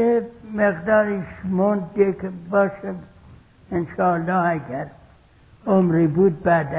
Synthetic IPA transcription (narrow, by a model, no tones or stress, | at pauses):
emeqd̪ɑːɾiʃmond̪̚ekbɑʃe | ɪnʃɑlːɑːæɡæɾ | omɾibud̪̚bæd̪æ